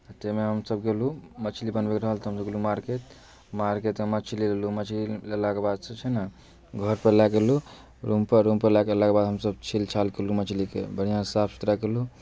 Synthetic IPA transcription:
t̪emeɦəmsəbɡelumət͡ʃʰlibənbekɾəɦəlt̪ɔɦəmsəbɡelumaɾket̪ | maɾket̪mət͡ʃʰililelumət͡ʃʰlilelakebad̪st͡ʃʰɛna | ɡʱəɾpəlakelu | ɾumpəɾːumpəɾlakelakebad̪ʱɦəmsəbt͡ʃʰilt͡ʃʰalkelumət͡ʃʰlikḛbəɽ̤ijãsapʰsu̥t̪ɾakelu

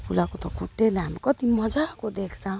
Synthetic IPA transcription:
pʰulakot̪ʌkʰuʈːelaɦamɾukʌt̪imʌd͡zakod̪ekʰsã

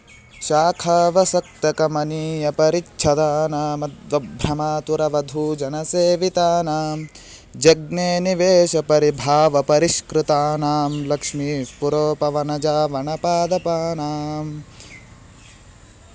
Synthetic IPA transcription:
ʃaːkʰaːʋɐsɐk̚t̪ɐkɐmɐniːjɐpɐɾitːʃʰɐd̪aːnaːmɐd̪ʋɐbʱɾɐmaːt̪uɾɐʋɐd̪ʱuːd͡ʒɐnɐseːʋit̪aːnaːm | d͡ʒɐɡ̚neːniʋeːʃɐpɐɾibʱaːʋɐpɐɾiʃkɾɪt̪aːnaːmlɐkʂmipuɾoːpɐʋɐnɐd͡ʒaːʋɐɳɐpaːd̪ɐpaːnaːm

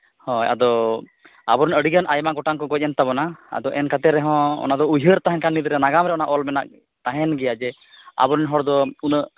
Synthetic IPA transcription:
hɔ̃ja̰d̪ɔ | a̰bɔɾnəɽiɡənʔajmaɡɔʈaŋkɔɡɔc̚ˀɛnt̪abɔnaa̰d̪ɔʔɛnkat̪ɛɾɛɦɔ̃ɔ̰nad̪ɔujɦəɾt̪aɦɛnkanːid̪ɾɛnaɡamɾɛɔnaʔɔlmɛnaʔ | t̪aɦɛnɡɛjad͡ʒɛ | a̰bɔɾnɦɔɽd̪ɔunəʔ

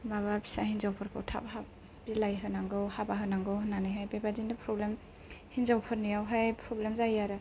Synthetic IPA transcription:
maβabi̥sahinzawpʰɯɾkʰɯ̰wtʰa̰p̚ha | bzilajɦɯnaŋɡɯwhabaɦɯnaŋɡɯwhɯnːaniɦajbebadindapʰɾɔblem | hinzawpʰɯɾnijawɦajpʰɾɔblemzajaɾɯ

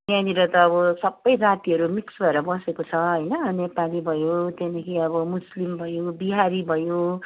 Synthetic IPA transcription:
mãniɾʌt̪ʌːβʌsʌbːʌjɾat̪iʌɾumiksbʱʌeɾʌbʌsekot͡sʰʌɦʌjnʌnepalibʱʌjot̪enekʰiʌβʌmuslimbʱʌjobiɦaɾibʱʌjo

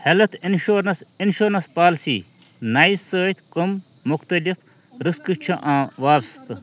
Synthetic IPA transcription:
helɐt̪inʃuɾnɐs | inʃuːɾnɐspaːlsiː | naːjsəːt̪kɐm | mʊxt̪ɐlif | ɾɨskɨt͡ʃʰɐʔãːʋaːpst̪

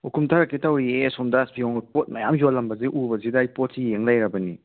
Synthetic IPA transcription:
ukʰumtʰaɾakːitawɾiesɔmdasbiɔŋpot̚mɐjamjolːɐmbɐziʔubɐzidɐːjpot̚sijeŋlajɾɐbɐni

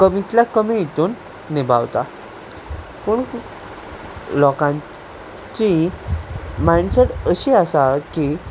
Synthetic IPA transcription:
kəmit̪lakəmijit̪uːnː | iba̰ʋt̪a | pəːɳ | lɔkã | t͡ɕi | majɳseʈəɕiasaki

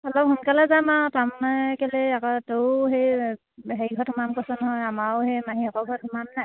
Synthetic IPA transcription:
ɔlɔphunkalazamatamnajkɛlɛakɔtowɦej | ɦejɡʱɔtʰmamkɔsɔnɔɦɔjamahemaɦiɔkɔɡʱɔtʰmamnaj

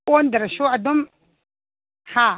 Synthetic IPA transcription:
wondaɾaʃuadum | ha

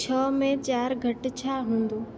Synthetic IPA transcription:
t͡ɕʰɔːmẽt͡ɕaːɾɡʱɐʈt͡ɕʰaːɦũːnd̪uː

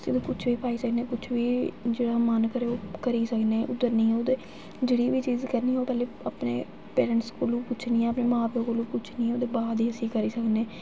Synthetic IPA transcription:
əsĩd̪õːkʊt͡ʃʰʋiːpaːiːsəkneːkʊt͡ʃʰʋiːd͡ʒeːɽaːmənkəɾeːoːkəɾiːsəkneːʔʊd̪əɾnĩːɛːoːd̪eː | d͡ʒeːɽiːʋiːt͡ʃiːzkəɾniːɛoːpɛːleːapnḛː | peːɾəɳʈskoːlũːpʊt͡ʃʰniːɛ̃ːəpneːmaːpjõːkoːlũːput͡ʃʰniːɛ̃ːoːd̪eːbaːd̪iːəsĩːkəɾiːsəkneː

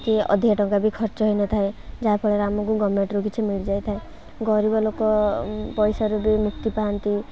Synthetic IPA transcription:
kiɔ̰d̪ʱiaʈɔŋkabikʰɔɾt͡ʃɔɦɔjnɔt̪ʰaed͡ʒapʰɔɭeɾamɔŋkuɡɔmːeɳʈɾukit͡ʃʰimiɭid͡ʒajt̪ʰae | ɡɔɾibɔlokɔpɔjsɔɾubimukt̪ipaɦɔnt̪i

